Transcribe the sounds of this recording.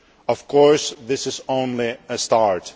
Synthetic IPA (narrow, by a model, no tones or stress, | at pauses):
ʌv̥kʰɔɹsðɪsɨzõʊ̃nliɨstɑɹt